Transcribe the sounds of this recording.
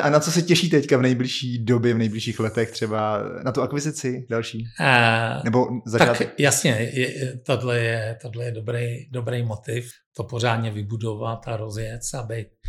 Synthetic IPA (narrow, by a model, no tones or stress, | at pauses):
ʔanat͡sosɛcɛʃiːt̪ɛckavnɛjblɪʃiːdo̞bjɛvnɛjblɪʃiːxlɛt̪ɛxt̪r̝̥ɛbanat̪uakvɪzɪt͡sɪdalʃiː | nɛbo̞zat͡ʃ̪aatk̪jasɲɛɛt̪odlɛjɛt̪odlɛjɛdobɾejdobɾejmot̪ɪf | t̪opor̝aːdɲɛvɪbudovat̪aɾozjɛt͡sabɛjt̪̚